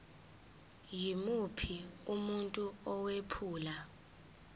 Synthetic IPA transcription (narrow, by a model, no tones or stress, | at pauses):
jimupʰiumuntʼuɔwepʰuːla